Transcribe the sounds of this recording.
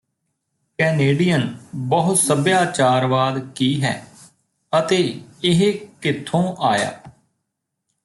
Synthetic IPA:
kɛːneːɖijənbəɦʊt̪səbjaːt͡ʃaːɾʋaːd̪kiːɦɛ̰ː | ət̪eːɪɦkɪt̪ʰːõːʔaːja̰ː

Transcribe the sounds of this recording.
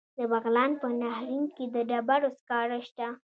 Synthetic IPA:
d̪əbaɣlɑnpənahɾiŋked̪əɖabaɾoskɑɾaʃt̪a

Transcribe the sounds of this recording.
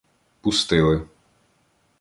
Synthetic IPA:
pʊst̪ɪlˠɪ

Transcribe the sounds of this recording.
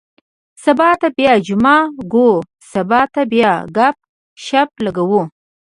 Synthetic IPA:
sabɑt̪abjɑd͡ʒʊmɑɡo | sabɑt̪abjɑɡap̚ | ʃap̚laɡawu

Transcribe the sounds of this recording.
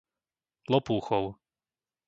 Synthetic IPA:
lɔpuːxɔw

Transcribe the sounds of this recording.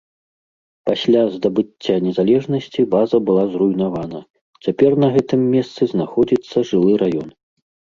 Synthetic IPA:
pasʲlʲazd̪ɐbɨt͡sʲːanʲɛzalʲɛʐnɐsʲt͡sʲibazɐbɨlˠazrujnavanɐ | t͡sʲapʲɛrnɐɣɛt̪ɨmːʲɛst̪sɨznaxɔd͡zʲit̪sːɐʐɨlˠɨɾʔajɔn

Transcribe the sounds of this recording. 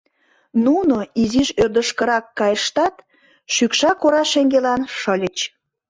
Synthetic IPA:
nunoiziʒørd̪əʃkəɾɑkːɑjəʃt̪ɑt̪ | ʃykʃɑkoɾɑʃeŋɡelɑnʃəlʲət͡ɕ

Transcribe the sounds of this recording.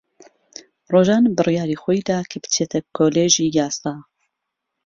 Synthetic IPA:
roːʒɑːnbɨrijaːɾiːxojd̪aːkʰəbɨ̥t͡ʃʰeːt̪ʰɛkʰːoːleːʒiːjɑːsɑː

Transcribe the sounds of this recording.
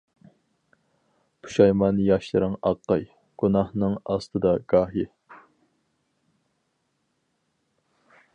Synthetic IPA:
pʰu̥ʃɑjmɑnɨjɑʃlˠɨɾɨŋɑqːɑj | ɡ̥unɑhnɨŋɑst̪ʰɨd̪ɑɡɑːɦi

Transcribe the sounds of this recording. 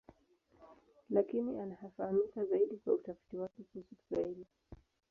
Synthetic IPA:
lakiniʔanahafahamikazaiɗikwa̰utafi̥tiwakɛkusuku̥saili

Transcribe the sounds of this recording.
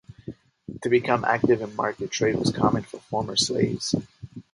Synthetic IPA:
tʰɨbɨkʰʌ̃mʔæ̰k̚tɨvɨ̃nmɑ̰ɹkɨtʰɹ̥eɪt̚wʌ̰z̥kʰɑmɨ̃nfə˞fɔɹmə˞slḛɪvz̥

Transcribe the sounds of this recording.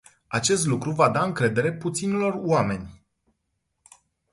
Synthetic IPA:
at͡ʃe̞st̪lukɾuvad̪aɨŋkɾe̞d̪e̞ɾe̞put̪sinelo̞roame̞nʲ

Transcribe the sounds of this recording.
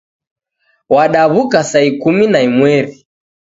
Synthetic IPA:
waɗaβukasaikuminaimwɛɾi

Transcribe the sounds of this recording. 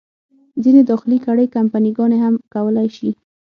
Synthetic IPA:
zined̪ɑxɪlikaɽəjkampaniɡɑneɦamkawəlajʃi

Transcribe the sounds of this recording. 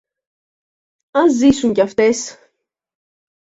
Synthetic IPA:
ɐnzisuŋcɐft̪es

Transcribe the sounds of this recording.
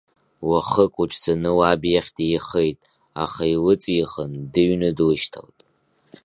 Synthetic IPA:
waχəkʼuʈ͡ʂʰʼsanɨwabjaχʲtiχejtʼ | a̰χailɨt͡sʼjiχəndɨɥnɨdlɨʃtʰa̰ltʼ

